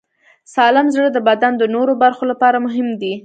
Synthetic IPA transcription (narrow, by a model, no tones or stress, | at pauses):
sɑlɪmzɽəd̪əbad̪and̪ənoɾobaɾxolapɑɾamʊɦɪmd̪i